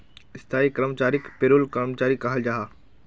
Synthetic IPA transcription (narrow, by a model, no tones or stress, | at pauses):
ɪst̪ʰaːikəɾəmt͡ɕaːɾɪkpeːɾulkəɾmt͡ɕaːɾikɐɦəld͡ʑaːɦaː